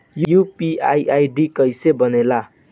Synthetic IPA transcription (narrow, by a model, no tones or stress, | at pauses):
jjupiajʔajɖikʌjsebʌnela